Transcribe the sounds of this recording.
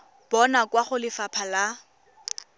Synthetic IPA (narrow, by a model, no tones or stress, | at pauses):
b̥ɔnakwaχʊlɪfapʰala